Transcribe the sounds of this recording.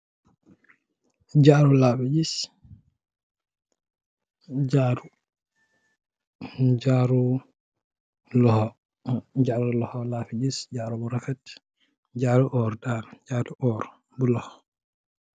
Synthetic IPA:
d͡ʒaːɾulafid͡ʒis | d͡ʒaɾu | d͡ʒaɾu | lɔhɔ | d͡ʒaɾulɔhɔlafid͡ʒisd͡ʒaɾubɔɾafɛt | d͡ʒaːɾuʔɔɾdaɾd͡ʒaduʔɔɾ | bulɔhɔ

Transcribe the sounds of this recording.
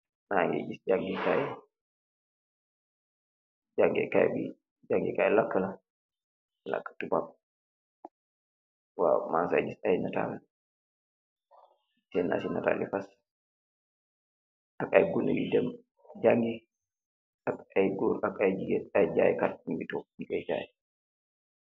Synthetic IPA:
naŋɡɛ̰d͡ʒisd͡ʒaŋɡikaj | d͡ʒaŋɡɛ̰kajbḭ | d͡ʒaŋɡḭkajlakːəla | la̰kːə̥tubap̚ | wa̰mansajd͡ʒisajnata̰l | sɛnːa̰sinːa̰ta̰lifas | akajɡunːabḭdɛm | d͡ʒaŋɡi | akajɡuːɾakajd͡ʒiɡɛtajd͡ʒaːjkat̚niɡitɔnikɛjd͡ʒa̰ːj

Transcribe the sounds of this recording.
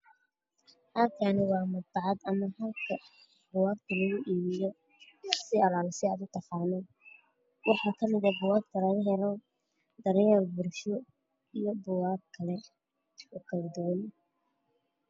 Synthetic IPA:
ʔɐlkʰanɪwɑːmɐd̪̚bɑʕɑd̪ɐmɐɦɐlkʰɐ | bʊwaːkt̪ʰɐlɐɣʊʔiːβɪjɔ | sɪɐlaːlsɪaːd̪ʊt̪ʰɐfaːnɛ | wɑħɑːkʰɐmɪðɐbʊwaːɡt̪ʰɐlɐɣʊɦɛlɔ | d̪ɐɾjaːlbʊɾʃɔ | ijɔbʊwaːɡ̚kʰɐlɛ | ʊkʰɐlɐd̪ɔwɐn

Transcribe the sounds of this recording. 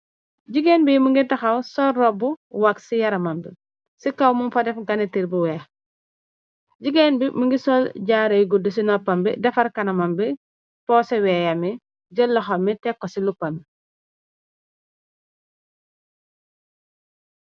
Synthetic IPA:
ɟiɡɛnbimuŋɡitɐxɐwsɔːɔbuwaksijɐɾɐmɐmbḭ | sikɐwmumfɐdɛfɡɐnitiɾbuwɛː | ɟiɡɛnbimuŋɡisɔlɟaːɾɐjɡudus̬inɔpːɐmbidɛfɐɾkɐnɐmɐmbi | pɔsɛwɛːjɐmi | d͡ʒəlːɐxɐmːitɛkːɔsilupːɐmi

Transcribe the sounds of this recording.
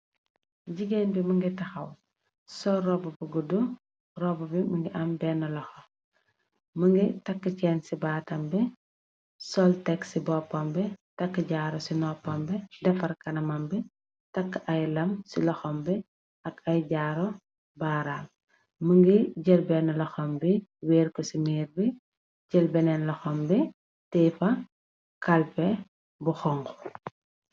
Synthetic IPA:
ɟiɡeːnbimɐŋɡitɐxɐw | sɔɾɔbɐbuɡudu | rɔbɐbiməŋɡiʔɐmbɛːnːɐlɐxɔ | məŋɡitɐkːəcɛːnsibaːtɐmbɛ | sɔltɛksibɔpːɐmbɛtɐkːəɟaːɾɔsinɔpːɐmbɛdɛfɐrkɐnɐmɐmbɛ | tɐkːʔɐjlɐmsilɐxɔmbɛ | ɐkɐjɟaːɾɔ | baːɾaːl | məŋɡiɟɛlbɛnlɐxɔmbiwɛːrkɔsimɛːɾbi | ɟɛlbɛnɛnlɐxɔmbɛ | tɛːfɐ | kɐlpɛ | buxɔŋɡɔ̥

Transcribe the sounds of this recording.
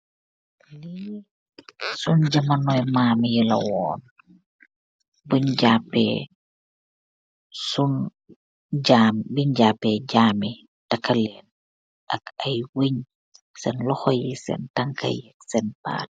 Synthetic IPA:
li | sunɟamanɔjmaːmjəlɐ̰wɔ̰ːn | buɲɟapɛ̰ | sun | ɟambiɲɟaːpːɛɟaːmi | dakːalɛn | ʔakɐjwəɲ | sɛnlɔxɔjisɛ̰ntaŋkʰa̰jɛksɛnpa̰ːt̚

